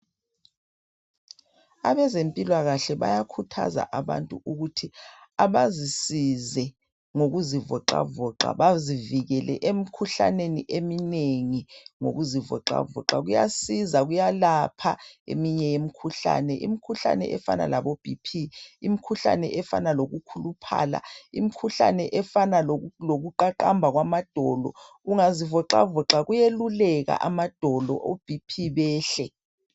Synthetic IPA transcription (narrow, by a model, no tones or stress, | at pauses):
aβɛzempʼilwaɣaɬɛβa̰jakʰutʰa̰za̰ʔaβa̰ntʼuʔuɣutʰiaβazisizɛ | ŋoɣuzivɔǃa̰vɔǁa̰βaziviɣɛlʔɛ̰ʔemikʰuɬaneniʔemineŋiŋo̰ɣuzivɔ̰ǁa̰vɔ̰ǁaɣujasizaɣujalapʰaḛmiɲɛjem̩kʰuɬa̰nɛʔḭmikʰuɬa̰nɛ̰ʔɛfa̰na̰laβob̥ʱipʰiimikʰuɬa̰nɛ̰ʔɛfa̰naloɣukʰulupʰa̰ːla̰ḭmikʰuɬa̰nɛʔɛfanaloɣuǃaǃambʱaɣwamad̥ʱɔlɔ̰ | uŋazivɔǁa̰vɔǁaɣujelulɛɣa̰ʔamad̥ʱɔlɔ̰ʔob̥ʱipʰiβɛːɬɛ